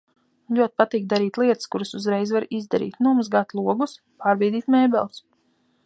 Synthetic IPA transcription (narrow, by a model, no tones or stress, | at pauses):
lʲuɔt̪̚ʲpat̪iːk̚d̪aɾiːt̪lˠiɛt̪ɨskuɾasuzɾɛjzvaɾizd̪aɾḭːt̪numazɡat̪lˠuɔɡus | paːɾbɛjd̪iːt̪mɛːbɛlˠs